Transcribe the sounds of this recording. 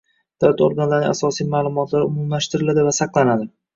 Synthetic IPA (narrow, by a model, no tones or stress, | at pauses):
d̪̥avlat̪oɾɡanlaɾnɪʔasɒsijmaːlˠʊmɒt̪ʰlaɾʊmumlaʃt̪ɪɾɪlad̪ɪvasɑqlˠanad̪ɪ